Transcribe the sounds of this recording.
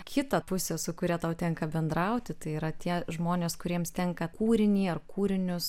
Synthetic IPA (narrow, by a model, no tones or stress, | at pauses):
kʲʰɪt̪ɐpʊsʲeːsʊkʊɾʲiɛt̪ɐʊt̪ʲɛŋkɐbʲɛnd̪ɾɐʊt̪ʲɪt̪ɐɪiːɾɐt̪ʲiɛʒmoːnʲeːskʊɾʲiɛmst̪ʲɛŋkɐkuːɾʲɪnʲiːɐrkuːɾʲɪnʲʊs